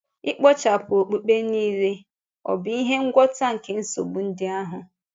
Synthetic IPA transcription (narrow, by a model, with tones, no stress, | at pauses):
ɪ˦k͡pɔ˦t͡ʃa˨pʊ˨o˨k͡pu˨k͡pe˦niː˦ɾe˦ | ɔ̰˨bɪ˦i˦ɦe˦ŋ̩˦ɡʷɔ˦ta˦ŋ̩˨ke˨n̩˦so̰˨bu˨n̩˦dɪ˦a˦ɦʊ˨